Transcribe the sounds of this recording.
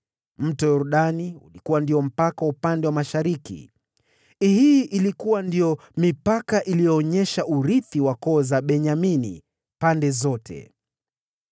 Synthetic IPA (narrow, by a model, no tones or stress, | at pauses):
m̩tɔjɔɾuɗaniṵlikuwandiɔm̩pakaupandɛwamaʃaɾikḭ | ihiʔilikuwandijɔ | mipakaʔilijɔːɲɛʃaʔuɾiθiwakɔːzaɓɛɲaminḭ | pandɛzɔtʰɛ̰